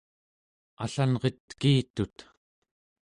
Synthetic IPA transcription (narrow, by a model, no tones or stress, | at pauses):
a̰ɬanʁet̪kiːt̪ut̪